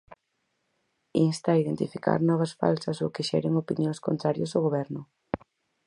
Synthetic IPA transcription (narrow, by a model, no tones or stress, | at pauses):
inst̪aiðent̪ifika̰ɾnɔβ̞ɐsfa̰lsɐsʊkɪʃɛ̰ɾeŋopinjõŋskont̪ɾaɾjosoɣoβɛɾnʊ